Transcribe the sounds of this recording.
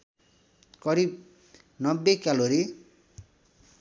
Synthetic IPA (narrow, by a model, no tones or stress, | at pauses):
kʌɾib | nʌbːekaloɾi